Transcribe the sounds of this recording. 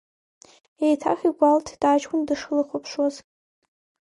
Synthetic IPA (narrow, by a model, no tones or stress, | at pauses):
ejtʰa̰χʲiɡʷaltʰdat͡ʃkʰʷʊndɨʂɨlɨχʷopʰʂwazʼ